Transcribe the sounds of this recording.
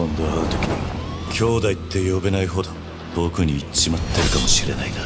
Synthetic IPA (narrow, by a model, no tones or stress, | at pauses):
õ̞nd̪o̞aɯt̪o̞̥kʲiɲḭkʲʰo̞ːd̪ait̪ʰːe̞jo̞benaiɦo̞d̪o̞ | t̪o̞ːkɯ̟ɲ̟iːt͡ɕimat̪ʰːe̞ɾɯ̟kamo̞ɕiɾe̞naid̪a